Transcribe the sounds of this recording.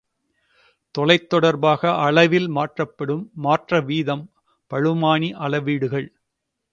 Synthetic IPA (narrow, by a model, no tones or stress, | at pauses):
t̪ɔlɐɪt̪ːɔɽɐɾbaːɣɐʔɐɭɐʋɪlmaːʈrɐpːɐɽɯmːaːʈrɐʋiːðɐm | pɐɻɯmaːɳiʔɐlɐʋiːɽɯɣɐɭ